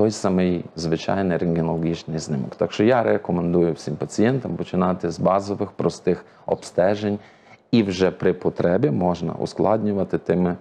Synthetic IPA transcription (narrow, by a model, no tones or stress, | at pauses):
t̪ɔjsɑmɪjzʋɪt͡ʃɑ̰jnɪjɾɪŋɡʲɪnɔlˠɔɣʲit͡ʃnɪjznɪmɔ̰kt̪ɑkʃt͡ʃɔjaɾekɔmend̪ujʊwsʲimpɐt͡sʲijɛnt̪ɐmpɔt͡ʃɪnɑt̪ɪzbɑzɔʋɪxpɾɔst̪ɪx | ɔ̰pst̪ɛʒenʲ | iwʒɛpɾɪpɔt̪ɾɛbʲimɔʒnɐ̰ʔṵsklˠɑdʲnʲʊʋɐt̪ɪt̪ɪmɪ